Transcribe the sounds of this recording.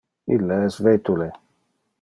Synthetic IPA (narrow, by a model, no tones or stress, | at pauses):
ilːeɛsvet̪ule